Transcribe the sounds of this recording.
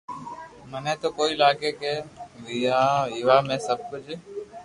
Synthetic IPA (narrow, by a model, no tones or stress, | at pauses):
mənẽːt̪oːkoːiːlaːɡeːkeːʋiaɦiʋaːmẽːsəb̚kod͡ʒeː